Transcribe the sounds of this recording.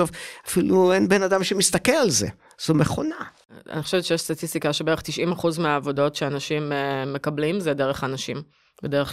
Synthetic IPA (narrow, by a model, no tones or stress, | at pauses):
ovafiluenbenad̪amʃemist̪akelalzḛ | z̥omeχo̞̰na | a̰niχoʃvett͡ʃejeʃst̪atist̪ikaʃebeeʁeχt̪iʃimaχuzmeaːvo̞do̞tʃeanaʃimeːe̞kablimzede̞ʁeχanaʃim | bedeʁe